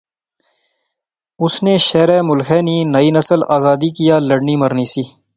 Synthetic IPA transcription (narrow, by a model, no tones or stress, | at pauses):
ʊsneːʃɛːɾɛːmʊlxɛːniːnɐiːnəsəlaːzaːd̪ikijaːləɽniːməɾniːsiː